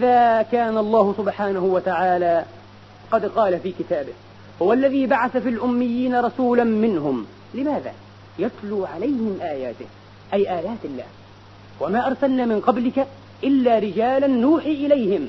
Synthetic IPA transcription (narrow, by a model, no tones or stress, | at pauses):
ʔɪðaːkaːnalˤːɑːhʊsʊbħaːnahʊwat̪aʕaːlaː | qɑd̪qɑːlafiːkɪt̪aːbɪh | hʊwalːaðiːbaʕaθafiːlʔʊmːɪjːiːnaɾˤɑsuːlanmɪnɦʊm | lɪmaːða̰ː | jat̪luːʕalajhɪmʔaːjaːt̪ɪh | ʔajʔaːjaːt̪ɪlːa̰ːh | wamaːʔɑɾˤsalnaːmɪnqɑblɪka | ʔɪlːaːɾɪd͡ʒaːlanːuːħiʔɪlajhɪm